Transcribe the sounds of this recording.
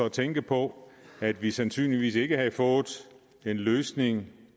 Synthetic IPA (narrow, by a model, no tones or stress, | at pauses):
ɒ̽t͡sʰeŋɡ̥əpʰɒ̽æd̥ʋisænsy̰ːnliʋḭːse̝ɡ̥əɦɑ̈ifɔ̽ːð̩ˠ | e̝nløːsne̝ŋ